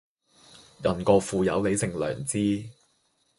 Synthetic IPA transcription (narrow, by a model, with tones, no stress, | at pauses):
jɐ˨˩nkɔː˧fuː˨˧jɐ̰˨˥wle˨˧jsɪ˨ŋlœ̰ː˨˩ŋt͡siː˥